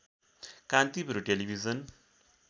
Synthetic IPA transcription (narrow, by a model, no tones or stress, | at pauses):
kant̪ibʱɾuʈelibʱizʌn